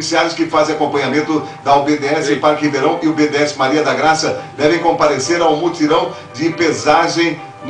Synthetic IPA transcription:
isiaɾɪskɪfazẽj̃akõmpɐ̃ɲamẽnt̪ʊd̪ɐʊbed̪eɛsẽpaɾkĩd̪eɾɐ̃w̃ɪʊbed̪eɛsɪmaɾiɐd̪aɡɾasɐd̪ɛvẽj̃kõmpaɾeseɾaw̃mut̪iɾɐ̃w̃ | d͡ʒ̪ɪpezaʒẽj̃ | n

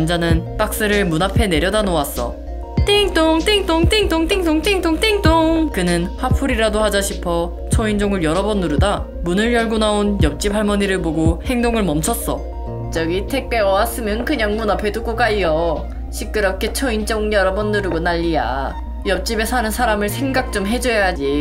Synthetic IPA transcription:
nd͡ʑanɯnp͈ak̚s͈ɯɾɯɭmunapʰe̞ne̞ɾjʌdanoas͈ʌ̰ | t͈eŋt͈oŋt͈eŋt͈oŋteŋt͈oŋt͈eŋtoŋt͈eŋtoŋt͈eŋt͈oŋkɯnɯnhapʰuɾiɾadohad͡ʑaɕʰipʰʌ | t͡ɕʰʌind͡ʑoŋɯɭjʌɾʌbʌnːuɾuda | munɯɭjʌɭɡonaonjʌp̚t͡ɕ͈ip̚ʰaɭmʌɲiɾɯɭboɡohe̞ŋdoŋɯɭmʌmt͡ɕʰʌs͈ʌ | t͡ɕʌɡitʰek̚p͈e̞ʌwas͈ɯmjʌnkɯɲʌŋmunapʰe̞dok͈okaiʌ | ɕʰik̚k͈ɯɾʌkʰet͡ɕʰʌind͡ʑoŋjʌɾʌbʌnːuɾɯɡonaʎːija̰ | jʌp̚t͡ɕ͈ibe̞sʰanɯnsʰaɾamɯɭsʰe̞ŋɡak̚t͡ɕ͈omɦe̞d͡ʑojad͡ʑi

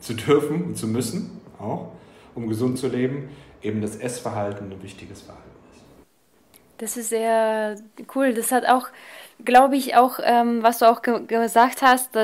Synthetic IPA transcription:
t͡sudʏɐfn̩ʊntt͡sumʏsn̩ʔaʊxʔʊmɡəzʊnt̚t͡suleːbm̩ʔeːbm̩d̥asʔɛsfɛɐɦaltn̩anvɪçtɪɡəsfɛɐhaltn̩ɪst | d̥asɪstz̥eːɐkʰuːldashata̰ʊxɡ̥laʊbəɪça̰ʊxʔɛːmvasd̥uːaʊxɡ̥əɡəzaːkthast̚d̥a

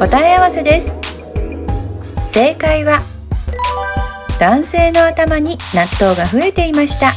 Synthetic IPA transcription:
o̞t̪aiaβase̞d̪e̞sɨ̥ | se̞ːkaiβa | d̪̥ãɰ̃se̞ːno̞at̪amaɲ̟inat̪ːo̞ːɡaɸɯ̟e̞t̪e̞imaɕi̥t̪a

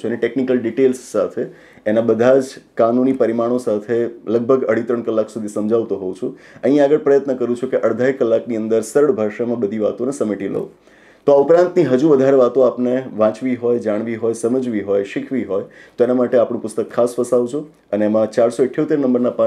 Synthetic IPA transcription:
uəneʈeknikəlɖiʈelsːat̪ʰe | enabəd̪ʱad͡ʒkanunipəɾimaɽ̃osat̪ʰeləɡ̚bʱəɡəɽ̤it̪ɾəɳkəlːaksud̪ʱisəmd͡ʒʱaʋt̪oɦɔut͡ʃʰuəɦĩaɡəɭpɾəjət̪nəkəɾũt͡ʃʰukeʔəɽd̪ʱaɦikəlːakniə̃nd̪əɾsəɾəɽbʱaɾʃamãbəd̪ʱiʋat̪onesəmeʈilə̰u | t̪oaupɾãnt̪niɦəd͡ʒuʋəd̪ʱaɾeʋat̪õapneʋãt͡ʃʋiɦojd͡ʒaɽ̃ʋiɦojsəməd͡ʒʋiɦojʃɪkʰʋiɦojt̪oenamaʈeapɳũpʊst̪əkʰːasfəsaʋt͡ʃʰo | əneːmãt͡ʃaɾsoɪʈʰjot̪eɾnəmbəɾnapã

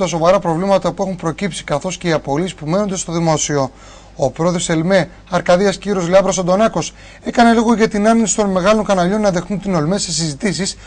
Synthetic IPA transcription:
t̪ɐso̞vɐɾɐpɾo̞vlimɐt̪ɐpue̞xumpɾo̞cipsi̥kɐθo̞sce̞iɐpo̞lispume̞no̞nd̪est̪o̞ðimo̞sio̞ | opɾo̞ðese̞lme̞ | ɐɾkɐðiɐsciɾozleɐvbɾosond̪o̞nɐko̞s | e̞kɐne̞loɣo̞ʝɐt̪inɐninsi̥t̪o̞nme̞ɣɐlo̞ŋkɐnɐʎo̞nːɐðe̞xnunt̪ino̞lme̞se̞sizit̪is̬is

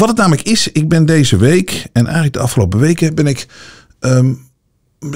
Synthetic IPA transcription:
ʋɑtətnaːmələkɪsɪɡ̚bɪndejzəʋejkɛnʔɛ̰jχələk̚dəɑfχəlowpəʋejkəbɛnɪk | ʔə

